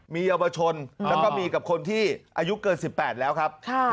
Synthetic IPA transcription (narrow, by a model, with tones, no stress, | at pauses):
miː˧ja˧wa˧t͡ɕʰo˧nlaː˦˥wkɔː˥˩miː˧ka˨˩p̚kʰo˧nt̪ʰiː˥˩ʔaː˧ju˦˥kɤː˧nsi˨˩pːɛː˨˩t̪̚lɛː˦˥wkʰa˦˥p̚kʰa˥˩